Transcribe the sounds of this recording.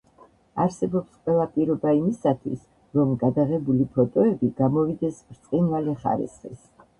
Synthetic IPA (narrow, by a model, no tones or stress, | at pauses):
aɾsɛbɔpsqʼwɛlˠapʼiɾɔbaimisat̪ʰwḭs | ɾɔmɡad̪aʁɛbulipʰɔt̪ʼɔɛbiɡamɔvid̪ɛsɾt̪sʼinvaliχa̰ɾḭsχḭs